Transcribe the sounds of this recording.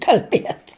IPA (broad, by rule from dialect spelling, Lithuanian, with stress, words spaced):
kɐlʲˈbʲiɛt